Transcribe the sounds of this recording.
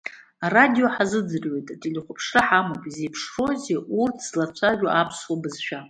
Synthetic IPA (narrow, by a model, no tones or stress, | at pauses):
aradijo̞ħazɨd͡zɨrwe̞jtʼatʰʼiliχʷʊpʰʂraħamopʼize̞jpʰʂro̞zeʔurtʰz̥lat͡ʃʷʰaʒᶣʷaʔapʰswabɨzʃᶣa